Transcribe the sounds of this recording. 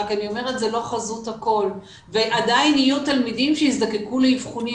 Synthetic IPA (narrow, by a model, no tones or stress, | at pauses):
kanio̞me̞ʁet̪zelo̞χazuthako̞l | veʔadajnijut̪almidimʃejisd̪akekuleivχoni